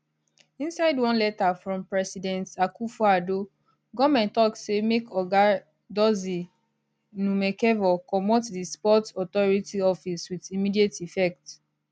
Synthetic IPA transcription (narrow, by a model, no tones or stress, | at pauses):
ĩnsaɪdwɔ̃nlɛtafɹɔ̃mpɹɛsidɛ̃ntakufuado | ɡɔmɛ̃ntɔksemekɔɡa | dɔzi | numɛkɛvɔkɔmɔtdispɔtɔtɔɹitiɔfiswiðimidietifɛk̚t